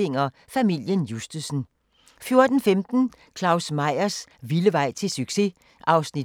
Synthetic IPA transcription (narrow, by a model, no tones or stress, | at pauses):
eŋ̰ɐ | fæmil̰jənjusd̥əsn̩ | fjo̝ɐd̥n̩femd̥n̩ | kʰlɑ̈ʊsmɑ̈ɪ̰ɐsʋiləʋɑ̈ɪ̰t͡sʰe̝lsyɡ̥se̝ | ʔɑ̈ʊsnid̥